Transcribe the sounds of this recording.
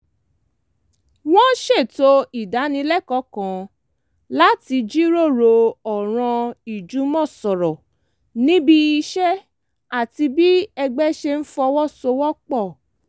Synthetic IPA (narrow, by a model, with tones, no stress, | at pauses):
w̃ɔ̃˦ʃe˦˨to˦i˦˨da˨˦nĩ˧˦lɛ˦˨kɔ˨˦kã˨˦ | la˦ti˧d͡ʒi˦ɾo˦˨ɾo˧ɔ˨ɾ̃ã˧i˨d͡ʒu˨˦mɔ̃˦˨sɔ˨ɾɔ˨ | nĩ˦bi˦i˧ʃɛ˦ | a˦˨ti˧bi˦ɛ˧ɡ͡bɛ˦ʃe˧n̩˦fɔ˧wɔ˦so˧wɔ˦k͡pɔ˦˨